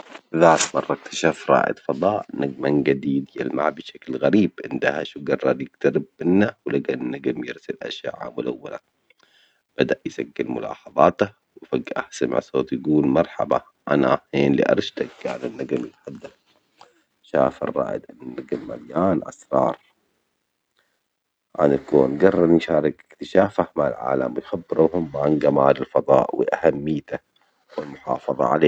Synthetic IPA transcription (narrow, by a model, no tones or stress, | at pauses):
ðaːt̪mɑrˤːɑk̚t̪ʰḁʃaːfɾˤɑ̰ːʔɪ̰d̪fɑd̪ˤɑːʔnaɡmanɡad̪iːd̪jalmaʕbɪʃaklɣaɾiːbʕɪnd̪aha̰ʃuɡɑrˤːɑɾˤjɪɡt̪aɾɪb̚ːɪnːawlaɡanːaɡɪmjɪɾsɪlʔa̰ʃja̰ːʕa̰mʊlawːala | b̥ad̪aʔjsaɡːɪlmʊlɑ̰ːħɑðˤɑːt̪a | wfaɡʔahsamɪ̰ʕsoːt̪jaɡuːlmɑɾˤħa̰ba̰ | ʔanaheːnlḭʔɑ̰ɾˤʃt̪akːaʕanɪnːaɡamjɪt̪ħad̪ːal | ʃaːfɑ̰rˤːɑ̰ːʔɪ̰d̪ʔanːanːaɡalma̰ljaːnʔa̰sɾˤɑ̰ːɾˤ | ʕa̰nakoːnɡɑrˤːɑd̪jʃaːɾˤɪɡɪkt̪ɪʃaːfahmaʕalʕa̰ːla̰mwɪjxabːɪɾuːɦʊmːʕanɡamaːlɪlfɑðˤɑ̰ːʔwɪ̰ʔahamːɪjt̪a | wɪlmʊħɑ̰ːfɑðˤɑ̰ʕa̰leː